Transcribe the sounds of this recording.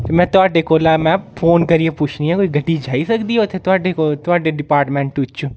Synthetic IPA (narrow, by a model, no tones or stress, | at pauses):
t̪emɛ̃ːt̪ʊaːɖeːkoːlaːmɛ̃ːpʰoːnkəɾieːpʊt͡ʃʰniːɦɛ̃ːkoːiːɡəɖiːd͡ʒaːisəkd̪iːɦot̪ʰeːt̪ʊaːɖekot̪ʊaːɖeːɖɪpaːɾʈmɛ̃ːɳʈʊt͡ʃt͡ʃʰũ